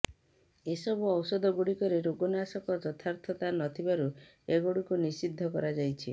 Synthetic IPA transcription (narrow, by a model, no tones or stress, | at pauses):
esɔbuɔwsɔd̪ʱɔɡuɽikɔɾeɾoɡɔnasɔkɔd͡ʒɔt̪ʰaɾt̪ʰɔt̪anɔt̪ʰibaɾu | eɡoɽikunisid̪ʱːɔkɔ̰ɾad͡ʒajt͡ʃʰi